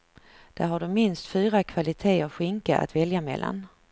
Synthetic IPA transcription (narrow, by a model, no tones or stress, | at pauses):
d̪̥æɾɦaɖɵmɪnst̪fyːɾakʰv̥alɪt̪ʰeːaɧɪŋkaa̰t̪vɛljamɛ̰lːa̰n